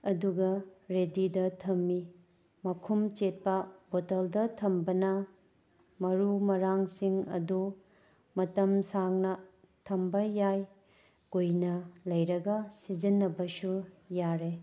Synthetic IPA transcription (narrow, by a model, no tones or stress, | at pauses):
ɐduɡɐɾedidɐtʰɐmːi | mɐkʰumt͡ʃet̚pɐbotɐldɐtʰɐmbɐnɐ | mɐɾumɐɾaŋsiŋɐ̰du | mɐtɐmsaŋnɐ | tʰɐmbɐjaj | ɡojnɐlɐjɾɐɡɐsid͡ʒɐnːɐbɐsu | jaɾe